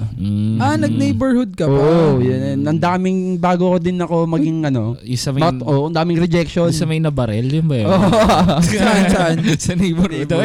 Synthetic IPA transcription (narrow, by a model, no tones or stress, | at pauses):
ʔanɐɡ̚nejbɛɹhʊd̪̚kɐoʔojɐɛnʔɐnd̪aːmɪŋbaːɡokod̪ɪnɐko̞mɐɡɪŋʔɐno̞jʊsɐmɐmɐt̪ʔoːʔɐnd̪aːmɪŋɾɛd͡ʒɛkʃosɐmɐjnɐbɐɾɛljʊnbɐoːʔsɐʔɐnsɐʔɐnsɐnejbɛɾhʊd̪o